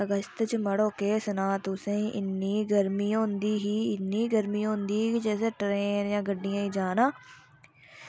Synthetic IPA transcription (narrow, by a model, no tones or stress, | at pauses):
əɡəst̪t͡ʃəməɽoːkeːsənaːt̪ʊsẽʔɪnːiːɡəɾmiːɦõːnd̪iːɦiːɪnːiːɡəɾmiːõːnd̪iːkid͡ʒɛːseːʈɾeːnjãːɡəɖːɪjãːiːd͡ʒaːnãː